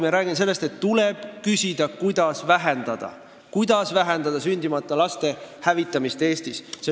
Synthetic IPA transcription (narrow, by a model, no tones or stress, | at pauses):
meɾæːɡ̥imns̬e̞lːe̞st̪e̞t̪ːuleb̥kysʲid̪̥ɑkujd̪̥ɑsvæɦe̞nd̪̥ɑd̪̥ɑ̰ | kujd̪̥ɑsvæɦend̪ɑd̪ɑsynʲd̪̥imɑt̪ːˑɑlɑst̪e̞hævit̪ːˑɑmist̪e̞ːst̪isse